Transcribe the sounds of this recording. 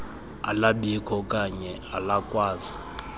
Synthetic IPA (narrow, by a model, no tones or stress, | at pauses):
a̰laɓikʰɔkʼaɲɛ | alakʼwaːzi